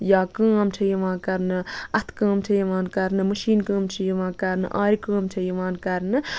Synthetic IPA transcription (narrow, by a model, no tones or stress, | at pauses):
jaːkəːmt͡ʃʰɐjiʋãːkɐɾnɨɐt̪ʰkə̃ːmt͡ʃʰɐjɐʋaːnkɐɾnɨməʃiːnkə̃ːmt͡ʃʰɐjiʋãːkɐɾnɨ̰ʔaːɾikə̃ːmt͡ʃʰɐjɐʋaːnkɐɾnɨ